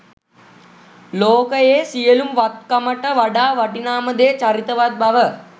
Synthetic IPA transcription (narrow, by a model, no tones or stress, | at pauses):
loːkɐjeːsijɐlumʋɐt̪̚kɐmɐʈːɐʋɐɖaːʋɐʈinaːmɐd̪eːt͡ʃɐɾit̪ɐʋɐt̪̚bʱɐʋɐ